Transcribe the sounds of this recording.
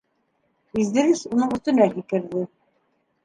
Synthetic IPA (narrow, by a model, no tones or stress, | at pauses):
izd̪ɘ̆ɾɘsunɤɴɵ̆st̪ɵ̆nækikɘ̆ɾðɘ